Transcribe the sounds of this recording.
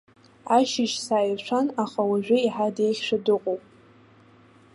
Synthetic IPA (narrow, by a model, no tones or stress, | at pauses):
aʃɪʃsaːjʃʷʰanaχawaʒᶣʷɪiħadejχʲʃʷᶣadɨqʼowpʼ